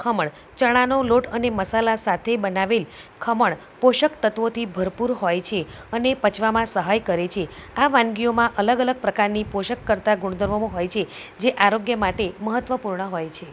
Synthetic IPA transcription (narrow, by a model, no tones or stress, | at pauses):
kʰəməɳ | t͡ʃəɽ̃anoloʈəneməsalasat̪ʰebənaʋelkʰəməɭ | poʃəkt̪ət̪ʋot̪ʰibʱəɾpuɾɦojt͡ʃʰeənepət͡ʃʰʋamãsəɦajkəɾet͡ʃʰeaʋãnɡijomãʔələɡələɡ̚pɾəkaɾnipoʃəkːəɾt̪aɡuɽ̃d̪əɾʋomõɦojt͡ʃʰed͡ʒeʔaɾoɡjəmaʈeməɦət̪ʋəpuɾɳəɦojt͡ʃʰe